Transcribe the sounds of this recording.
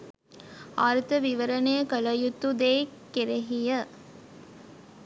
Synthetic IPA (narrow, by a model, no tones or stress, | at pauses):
aːɾt̪əʋiʋəɾənejəkələjut̪ːud̪eːkeɾeɦijə